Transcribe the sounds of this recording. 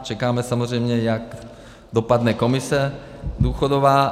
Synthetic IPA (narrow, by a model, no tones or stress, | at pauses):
t͡ʃɛkaːmɛsamozr̝ɛjmɲɛjak | dopadnɛko̞mɪsɛ | d̪uːxodovaː